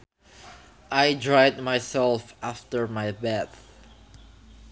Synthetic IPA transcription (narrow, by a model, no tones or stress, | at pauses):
ʔajdɹaɪd̚maɪsɛlˠfaftəɹmaɪbɛθ